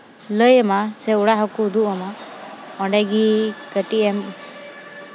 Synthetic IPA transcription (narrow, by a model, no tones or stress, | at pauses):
ləjəmasɛuɽaɦɔkud̪uʔɔma | ɔ̃ɖɛɡikəʈiʔɛm